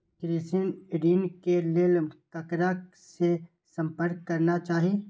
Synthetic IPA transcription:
kɾisɪnɪɖiːnkelelmkɐkɾa | se | sɐ̃mpəɾkːɐɾnat͡ʃaːɦie

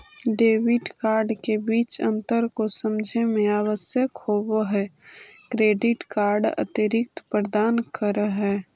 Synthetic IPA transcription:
ɖeːʋɪʈkaːɾɖkebiːt͡ʃə̃nt̪əɾkosəmd͡ʒʱemẽaːʋəsjəkhoʋɦɛkɾeːɖɪʈkaːɾɖə̰t̪iɾɪk̚t̪pɾəd̪aːnkəɾəɦɦɛː

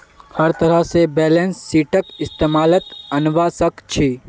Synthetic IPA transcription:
hɐɾt̪ɐɾəsebɛːlẽnsːiːʈʰəkɪst̪eːmaːlət̪ɐnʋasəkt͡ʃʰiː

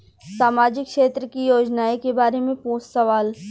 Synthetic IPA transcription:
saːmaːd͡ʒɪkʃeːt̪ɾəkijoːd͡ʒnaːekebaːɾemẽpoːssɐʋaːl

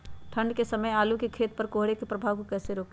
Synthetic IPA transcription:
t̪ʰə̃ɳɖkesɐməjaːlukekʰeːt̪pɐɾkoːɦɽekepɾɐbʱaːʋkokɛːseɾoːk

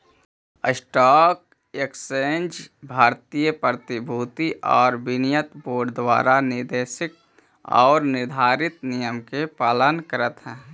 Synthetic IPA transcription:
əsʈɔːk̚ | eksend͡ʒbʱaːɾt̪ijəpət̪ɪbʱuːt̪iʔɔːɾbɪnɪjət̪boːɾɖd̪wa̰ːɾanɪɾd̪eːʃɪk̚ | ɔ̰ːɾnɪɾd̪ʱaːɾɪt̪nijəmkepaːlənkəɾət̪ɦɛ̃ː

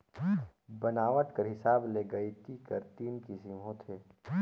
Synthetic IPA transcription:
bɐnaːʋəʈ̪kəɾɦɪsaːbleːɡɐit̪ikəɾt̪iːnkisimɦõt̪ʰeː

